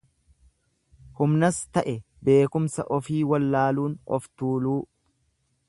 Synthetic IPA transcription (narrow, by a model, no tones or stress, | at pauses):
hʊmnɐst̪ɐʔɛ | be̞ːkʊmsɐʔɔfiːwɐlːaːluːnɔ̰ft̪uːluː